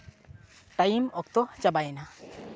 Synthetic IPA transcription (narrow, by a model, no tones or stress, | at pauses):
ʈajmɔkt̪ɔt͡ʃabajna